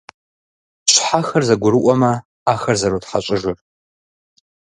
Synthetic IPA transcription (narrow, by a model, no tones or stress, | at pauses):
ɕʷħaxɐrzɐɡʷʊɾɨʔʷʼɔmɐ | aːxɐrzɐɾotħaɕʼɪʒɪr